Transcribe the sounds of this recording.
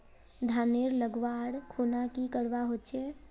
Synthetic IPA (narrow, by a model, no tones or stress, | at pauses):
d̪ʱaːneɾləɡʋaːɽkʰuːnakikəɽʋaɦot͡ʃʰe